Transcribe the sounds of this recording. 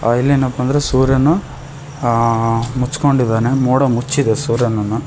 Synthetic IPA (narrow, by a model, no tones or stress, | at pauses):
ilːinːɐpːɐnd̪ɐɾesuːɾjɐnːu | mut͡ʃːko̞ɳɖid̪aːnemoːɽɐmut͡ʃːid̪esuːɾjɐnɐnːu